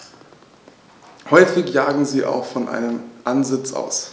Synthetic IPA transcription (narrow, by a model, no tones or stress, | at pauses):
hɔʏfɪçjaːɡŋ̩ziːʔa̰ʊxfɔnʔa̰ɪnəmʔanzɪt͡sʔa̰ʊs